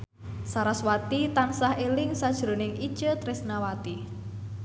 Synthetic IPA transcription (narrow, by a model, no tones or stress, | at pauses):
saɾaswat̪it̪ansahelɪŋsad̥ʒ̥ɾo̤nɪŋi̥ʒ̥ət̪ɾɪsnawat̪i